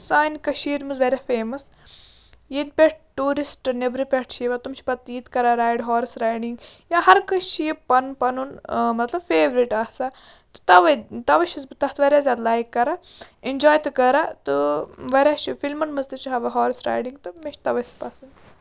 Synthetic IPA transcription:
saːnkɐʃiːɾmɨzʋɐɾʲjafeːmɐs | jinpʲeʈ̚ʈuːɾisʈɨnebɾipʲeʈʰt͡ʃʰiʋat̪umʃʰi̥pɐt̪ːiːt̪kɐɾaɾaːjɖɦɔːɾisɾaːjɖiŋɡjaːɦɐɾkɐʃijipɐnpɐnunmɐt̪lɐbfeːʋɾiʈaːhsa | t̪ɨ̥t̪ɐʋɐt̪ɐʋɐʃizbɨt̪ɐht̪ʋɐɾʲjaːzʲjaːd̪laːjkːɐɾa | ind͡ʒɔːjt̪ɨkɐɾat̪ɨʋɐɾʲjaʃifilmɐnmɨzt̪ɨt͡ʃʰiɦɐʋɐɦɔːɾisɾa̰ːjɖiŋɡt̪ɨmeʃt̪ɐʋɐspɐsɨn

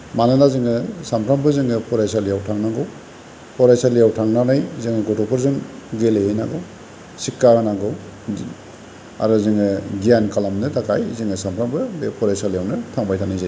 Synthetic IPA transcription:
manɯlazɯŋɯsampʰɾambɯzɯŋɯpʰɔɾajs̬alijawtʰaŋnaɡɯw | pʰɔɾajsalijawtʰaŋnanɯjzɯŋɯɡɔtɔpʰɯɾzɯŋɡelehejnaɡɯw | sikːaɡanaɡɯw | a̰ɾɔzɯŋɯɡijankalamnɯtakʰajzɯŋɯsampʰɾambɯbepʰɔɾajsalijawnɯtʰaŋbajtʰanajzaj

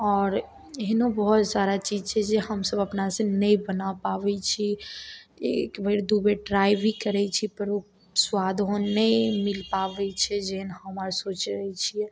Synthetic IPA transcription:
ɔːɾ | eɦnobəɦɔt̪saɾat͡ʃid͡ʒt͡ʃʰɛd͡ʒeɦəmsəbəpnasẽnəibənapaʋɛt͡ʃʰi | ekbeɾd̪ubeɖɾaibʱikəɾɛt͡ʃʰipəɾo | swad̪ʱɦonːəimilpaʋɛt͡ʃʰɛd͡ʒɛɦənɦəməɾsot͡ʃɾəɛt͡ʃʰiɛ

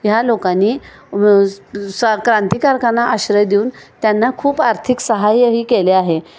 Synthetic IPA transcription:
jalokanːiː | skɾãnt̪ikaɾkanaʔaɕɾəjd̪iuːnt̪janːakʰuːpaɾt̪ʰiksəɦajɦiːkeleaɦe

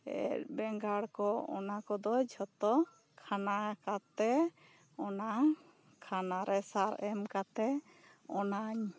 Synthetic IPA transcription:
ɛ̰ɾbɛŋɡaɽkɔɔ̰nakɔd̪ɔd͡ʒhɔt̪ɔ | kʰanakat̪ɛ | ɔna | kʰanaɾʔɛsaɾɛmkat̪ɛ | ɔnaɲ

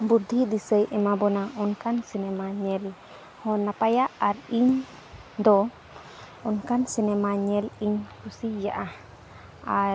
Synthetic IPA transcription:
buɾd̪ʱiʔd̪isəjʔɛmabɔnaʔɔnkansinɛmaɲɛl | hɔnapajaʔaɾiɲ | d̪ɔ | ɔnkansinɛmaɲɛliɲkusija̰ʔa | a

